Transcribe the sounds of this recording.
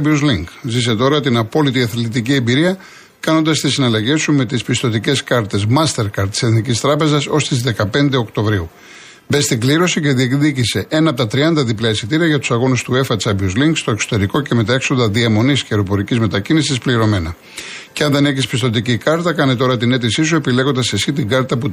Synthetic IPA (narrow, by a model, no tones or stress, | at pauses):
buzliŋɡzis̬e̞t̪o̞ɾɐt̪inɐpo̞lit̪iɐθlit̪iciembiɾiɐ | kɐno̞nd̪ɐst̪isinɐlɐʝe̞sume̞t̪ispist̪o̞t̪ice̞skɐɾt̪e̞zmɐst̪e̞ɾkɐɾt̪ːi̥se̞θnicist̪ɾɐpe̞zɐso̞st̪izðe̞kɐpe̞nd̪e̞o̞kt̪o̞vɾiu | be̞st̪iŋɡliɾo̞sice̞ðiek̪ðicise̞ʔe̞nɐp̬ot̪ɐt̪ɾiɐnd̪ɐðiplɐesit̪iɾiɐʝɐt̪u̥sɐɣo̞nust̪ue̞fɐt͡sɐbjuzliŋɡst̪o̞ekso̥t̪e̞ɾiko̞ce̞me̞t̪ɐe̞kso̞nd̪ɐðiɐmo̞nisceɾo̞po̞ɾicizme̞t̪ɐcinisispliɾo̞me̞nɐ | ceɐnd̪ene̞çispist̪o̞t̪̬icikɐɾt̪ɐkɐnet̪̬o̞ɾɐt̪ine̞t̪̬isis̬ue̞pile̞ɣo̞nd̪ɐsesit̪̬iɡɐɾt̪ɐpu